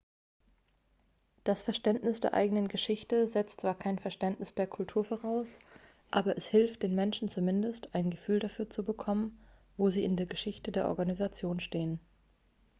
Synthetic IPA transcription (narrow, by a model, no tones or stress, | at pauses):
d̥asfɛɐʃtɛntnɪsd̥ḛːɐʔa̰ɪɡənənɡəʃɪçtəzɛt͡stt͡sv̥aːɐkʰaɪnfɛɐʃtɛntnɪsd̥eːɐkʰʊltʰuːɐfoːʁ̞aʊs | ʔaːbɐʔɛshɪlft̚d̥eːnmɛnʃn̩t͡sumɪndəstʔaɪnɡəfyːldafyːɐt͡subəkʰɔmən | voːziːʔɪndeːɐɡəʃɪçtədeːɐʔɔ̰ɐɡanizat͡sjoːnʃteːən